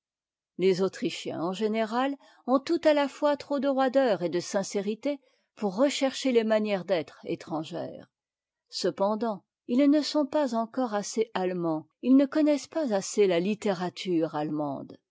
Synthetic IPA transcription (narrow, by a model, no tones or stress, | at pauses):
lezot̪χiʃjɛ̰̃ɑ̃ʒeneʁal | ɔ̃t̪ut̪alafwat̪χod̪əʁwad̪œʁed̪əsɛ̃seʁit̪e | puʁːəʃɛʁʃelemanjɛʁd̪ɛt̪χḛt̪χɑ̃ʒɛ̰ːʁ | səpɑ̃d̪ɑ̃ | ilnəsɔ̃pazɑ̃kɔʁaseʔalmɑ̃ | ilnəkɔnɛspazaselalit̪eʁat̪ʰyʁalmɑ̰̃d̪